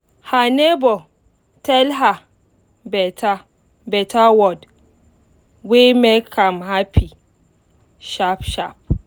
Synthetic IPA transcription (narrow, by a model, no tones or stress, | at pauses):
hanebɔ | tʰɛlɦa | bɛtʰa | bɛtʰawɔd | wemɛkʰamhapʰi | ʃapʃap̚